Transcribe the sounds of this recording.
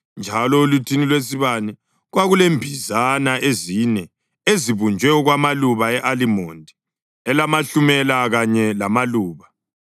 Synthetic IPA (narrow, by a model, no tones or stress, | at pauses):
nd͡ʒʱalɔulutʰinilwes̬iβanɛ | ɣwaɣulembʱizanaʔezinɛ | eziβund͡ʒʱwɛuɣwamaluβaɛʔalimɔːndʱi | ɛlamaɬumɛlaɣaɲɛlamaluːβa